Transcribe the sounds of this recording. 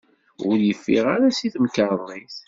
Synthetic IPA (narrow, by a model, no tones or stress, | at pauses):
ʊɾjəfːiʁaɾæsiθmkəɾˤnːiθ